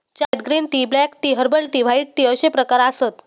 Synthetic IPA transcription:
t͡ɕajd̪ɡɾiːnt̪iblɛkʈiɦəɾbəlt̪iʋ̤aiʈ̚ʈ̪iəɕepɾəkaɾasət̪

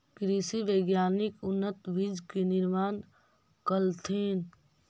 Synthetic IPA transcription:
kɾisiʋəɪɡjaːnɪkʊnːət̪bʱid͡ʒkenɪɾmaːn | kəlt̪ʰeːn

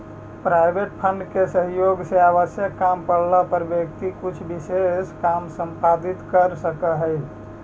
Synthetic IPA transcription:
pɾaɪbeʈpʰəɳɖkesəɦjoɡseaβəsjəkːampəɽlapəɾbjək̚t̪ikut͡ʃʰbiseskamsə̃mpad̪it̪kəɾsəkəɦəj

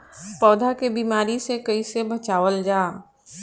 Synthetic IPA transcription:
pɔːd̪ʱakebiːmaːɾisekɐisebɐt͡ʃaːʋəld͡ʒaː

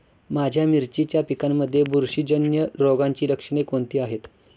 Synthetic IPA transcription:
mad͡ʑʱjamiɾt͡ɕit͡ɕjapikamːəd̪ʱːjebuɾɕid͡ʑənjəɾoɡaɲt͡ɕiːɾəkʂɽ̃ekont̪iːaɦet̪

